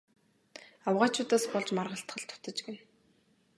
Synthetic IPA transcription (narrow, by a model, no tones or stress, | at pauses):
awʁaːt͡ɕʰʊːt̪aːspɔɮt͡ɕmarʁə̆ɬt̪χə̆ɬt̪ʰʊ̥t̪ə̆t͡ɕɡen